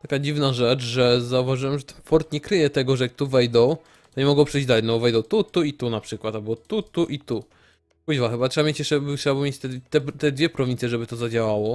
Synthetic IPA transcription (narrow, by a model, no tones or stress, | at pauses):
t̪akad͡ʑivnaʐɛt͡ʂʐɛzauvaʐɘwɛmʐɛt̪ɛnfɔɾt̪ɲɛkɾɘjɛt̪ɛɡɔʐɛjak̚t̪uvɛjd̪ɔ̃w | t̪ɔɲɛmɔɡɔ̃w̃pʂɛjd͡ʑd̪alɛnɔbɔvɛjd̪ɔ̃w̃t̪ut̪uit̪unapʂɘkwat̪albɔt̪ut̪uʔit̪u | pud͡ʑvaxɘbaʂɛamʲjet͡ɕjɛt͡ʂɛbtawabɘmjet͡ɕt̪ɛt̪ɛt̪ɛd̪vʲjɛpɾɔvʲint̪sʲjɛʐɛbɘt̪ɔzad͡ʑawawɔ